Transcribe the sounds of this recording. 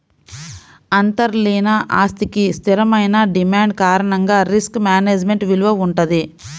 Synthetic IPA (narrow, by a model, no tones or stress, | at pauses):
ɐnt̪ɐɾliːnaʔaːst̪ikist̪ʰiɾɐmɐjnɐɖimaːɳɖkaːɾɐɳɐŋɡaːɾiskmaːneːd͡ʒme̞ɳʈʋiluʋɐuɳʈɐd̪i